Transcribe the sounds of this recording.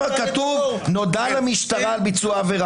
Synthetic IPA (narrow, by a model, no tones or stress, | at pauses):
akat̪uvno̞dalamiʃt̪aʁaːlbit͡suaveʁ